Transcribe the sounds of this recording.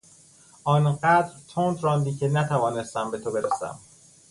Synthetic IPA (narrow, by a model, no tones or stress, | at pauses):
ʔɒːnɢæd̪ɾt̪ʰond̪ɾɒːnd̪iːcʰenæt̪ʰævɒːne̞st̪æmbe̞t̪ʰobe̞ɾesæ̰m